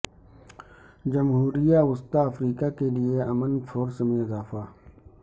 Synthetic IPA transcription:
d͡ʒɐmɦuːɾijaʊst̪aɐfɾiːkakelieɐmənfoːɾsmẽɪzaːfaː

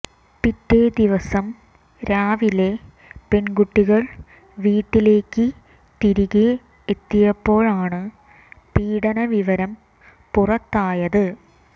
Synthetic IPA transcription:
pit̪ːeːd̪iʋɐsɐm | ɾaːʋile̞ | pe̞nɡuʈːiɣɐɭ | ʋiːʈːile̞ːkːɨ | t̪iɾiɣi | et̪ːijɐpːo̞ːɭaːɳɨ | piːɽɐnɐʋiʋɐɾɐm | purɐt̪ːaːjɐðɨ

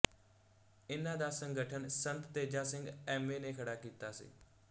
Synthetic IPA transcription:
ɪnãːd̪aːsə̃ŋɡəʈʰənsə̃nt̪t̪eːd͡ʒaːsɪ̃ŋɡɛːmeːneːkʰəɽaːkiːt̪aːsḭː

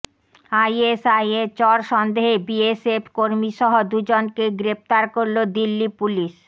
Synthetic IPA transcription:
ajesajet͡ɕɔɾʃɔnd̪eɦebiesefkoɾmiʃɔɦod̪ud͡ʑonkeɡɾeft̪aɾkoɾlod̪ilːipuliʃ

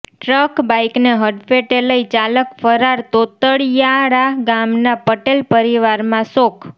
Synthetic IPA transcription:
ʈɾəkbajkneɦəɖfeʈeləit͡ʃaləkfəɾaɾt̪ot̪əɭjaɽaɡamnapəʈelpəɾiʋaɾmãsokʰ

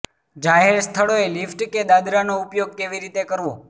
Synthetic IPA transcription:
d͡ʒaɦeɾst̪ʰəɭoelifʈked̪ad̪ɾanoʊpjoɡ̚keʋiɾit̪ekəɾʋo

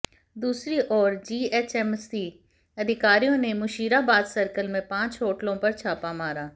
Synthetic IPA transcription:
d̪uːsɾiʔɔːɾd͡ʒiːɛːt͡ʃɛːmɛstiː | əd̪ʱɪkaːɾijõnemʊʃiːɾabaːd̪səɾkəlmẽpãːt͡ʃɦoːʈlõpɐɾt͡ʃʰaːpamaːɾaː

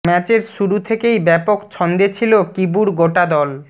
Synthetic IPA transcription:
mɛt͡ɕeɾʃuɾut̪ʰekejbɛpokt͡ɕʰɔnd̪et͡ɕʰilokibuɾɡoʈad̪ɔl

